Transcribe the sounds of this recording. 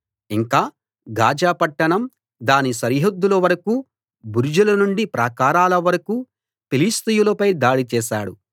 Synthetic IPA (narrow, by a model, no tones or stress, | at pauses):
iŋkaː | ɡaːd͡ʒaːpɐʈːɐɳɐm | d̪aːnisɐɾiɦod̪ːulɐʋɐɾɐkuː | buɾid͡ʒulɐnuɳɖipɾaːkaːɾaːlɐʋɐɾɐku | pilist̪ujulɐpɐjd̪aːɽit͡ʃɛːʃa̰ːɽṵ